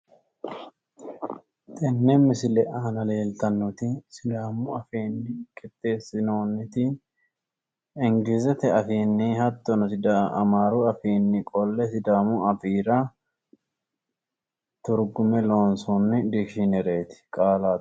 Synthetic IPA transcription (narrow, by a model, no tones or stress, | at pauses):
t̪ʼɪnːɛmːɪsɪlɛʔaːnɐle̞ːlt̪ɐnːɔt̪ɪsɪd̪aːmʊɐfiːnːɪkʼɪt̪ːe̞ːsɪnoːnːɪt̪ɪ | ɪŋɡɪzɛt̪ɛɐfiːnːɪhɐt̪ːɔnɔsɪd̪aɐ̰maːɾʊɐfiːnːɪkʼɔlːɛsɪd̪aːmʊɐfiːɾɐ | t̪ʊɾɡʊmɛlo̞ːnsɔnːɪd̪ɪkʃɪnɛɾe̞ːt̪ɪ̥kʼaːlaː